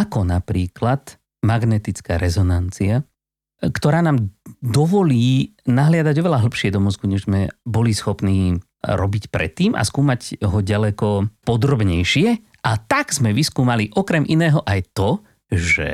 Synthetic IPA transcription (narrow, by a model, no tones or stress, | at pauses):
akɔnapɾiːklat̪ | maɡnɛt̪it͡skaːɾɛzɔnant͡sia | kt̪ɔɾaːnaːmd̪ɔʋɔliːnaɦlɪad̪aɟɔʋɛlaɦl̩pʃɪɛd̪ɔmɔzɡuɲɛʒzmɛbɔlisxɔpniː | ɾɔbicpɾɛ̰t̪ːiːma̰skuːmaɟɦɔɟalɛkɔpɔd̪ɾɔbɲɛjʃɪɛ | ʔat̪aɡz̥mɛʋiskuːmaliʔɔkɾɛmʔinɛːɦɔʔajt̪ɔ | ʒɛ̰